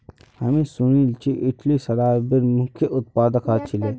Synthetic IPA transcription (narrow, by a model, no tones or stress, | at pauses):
hɐmẽsʊñilt͡ʃʰiʔɪʈʰlisɐɾaːbiɾmʊkʰːjeʔʊt̪̚paːd̪əkaːt͡ʃʰile